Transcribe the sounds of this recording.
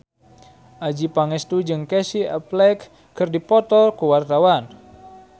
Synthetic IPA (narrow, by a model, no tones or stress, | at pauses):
ʔad͡ʒipaŋɛst̪ud͡ʒɨŋkɛsia̰plɛkː | ɨrdipɔt̪ɔkuwart̪awan